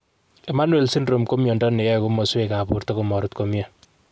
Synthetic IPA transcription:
e˨ma˦nwe˨lsi˦nro˨mko˦mjɔ˨ndɔ˦ne˨jɛ˦kʊ˦mɔ˨swe˨ka˨pu˨ɾtɔ˦ko˨mɔ˨ɾʊ˦tko˦mja˨

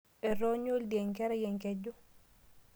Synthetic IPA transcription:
ɛ˨ɾɔ˦ɲo˦ldjɛ˨ŋkɛ˦ɾɛ˦jɛ˨ŋkɛ˦d͡ʒu˦

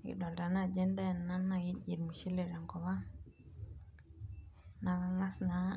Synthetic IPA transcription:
ḭ˨dɔ˨lda˨na˦˨d͡ʒɛ˦nda˦˨na˦na˨ji˦d͡ʒi˨ɾmu˨ʃi˦lɛ˨ɾa˨ŋɡɔ˨βa˦ | na˨la˦ŋa˦sna˦

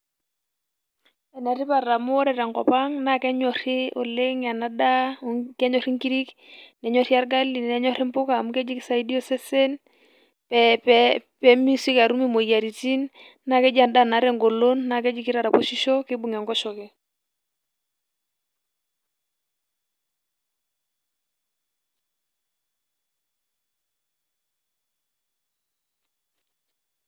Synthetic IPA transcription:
ɛ˨nɛ˨ɾi˦pa˨ɾa˨mu˦ɔ˦ɾɛ˨ɾa˨ŋkɔ̰˨pa˦ŋna˨kɛ˦ɲɔ˨ɾi˦ɔ̰˨le˦ŋa˨na˦da˦kɛ˦ɲɔ˨ɾi˦ŋki˦ɾi˦k | nɛ˨˦ɲɔ˦ɾi˦a˦ɾɡa˦li˨n˨nɛ˨˦ɲɔ˦ɾi˦m̩˦pʊ˦ka˦˨mu˦kɛ˦d͡ʒi˦ki˦sa˦i˦di˦o˦sɛ˦sɛ˦n | pɛppɛ˦mi˦si˦ka˨ɾu˦mi˦mo˨ja˨ɾi˨ti˦nː | a˦kɛ˦d͡ʒa˨nda˦˨na˨˦ɾɛ˦ŋɡo˨lo˦nːa˨kɛ˦d͡ʒi˦ki˦ɾa˨ɾa˨po˦ʃi˦ʃɔ˦kɪ˦bu˨ŋɛ˨ŋɡɔ˦ʃɔ˨kɛ˨

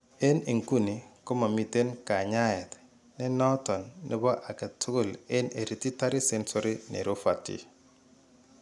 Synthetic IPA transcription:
e˦ni˨ŋku˦ni˨ko˦ma˨mi˨te˦nka˨ɲa˦ɛ˨t | nɛ˦nɔ˦tɔ˨nːɪ̰˦bɔ˦ʔa˨ka˨tʰʊ˦ɡʊ˦˨lɪ˦ne˨ɾi˨ti˦ta˦ɾi˦sɛ˦nsɔ˦ɾi˦nḛ˨ɾo˦fa˨tḭ˦

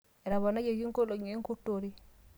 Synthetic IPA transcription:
ɛ˨ɾa˨bɔ˨na˦d͡ʒe˨ɡi˦ŋko˦lo˨ɲe˨˦ŋ˦ku˦tːo˨ɾi˦

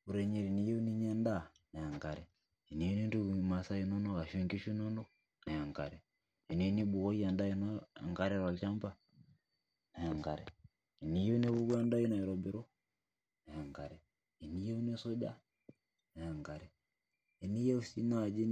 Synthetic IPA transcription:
u˨ɾɛ˨ɲi˨ɾi˨ni˨˦jɛ˦u˦ni˦ɲɛ˦nda˦˨ | na˨a˨ŋka˨ɾɛ˨ | i˨ni˨˦ni˦nɾu˦˨ma˨sa˦i˦nɔ˦nɔ˦ɣa˨ʃi˦ŋɡi˦ʃu˦nɔ˦ndɔ˦ | na˨ja˨ŋka˨ɾɛ˨ | i˨ne˨˦ni˦bu˨ɣɔ˦i˦a˨nda˦i˦nɔ̰˦˨ŋka˦ɾɛ˦ɾa˨lt͡ʃa˦mba˨ | na˨a˨ŋɡa˨ɾɛ̰˨ | i˨ni˨˦jɛ˦u˦ne˦βu˦βa˦nda˦i˦nɔ˨ɛ˨ɾɔ˨bi˨ɾɔ˦ | na˨ja˨ŋka˨ɾɛ˨ | i˨ni˦je˦u˦ne˦so˦d͡ʒa̰˦ | na˨a˨ŋka˨ɾɛː˨ | ni˦je˦u˦si˦naː˦˨d͡ʒi˦

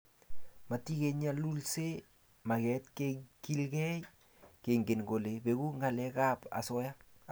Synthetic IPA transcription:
ma˨ti˦ke˨ɲalu˦lse˦ | ma˨kɛt̚keki˦lkɛ˦j | ke˨ŋɡe˨nɡo˨le˨be˨ku˦ŋa˨lɛ˦kapa̰˨sɔ˦ja˦

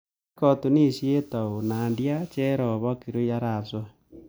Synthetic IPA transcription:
kɔ˦tu˨ni˦˨ʃje˦ta˨o˨na˨ndja˦t͡ʃe˦ɾɔ˨βɔ˦ki˨ɾo˦ja˦ɾa˨sɔ˦

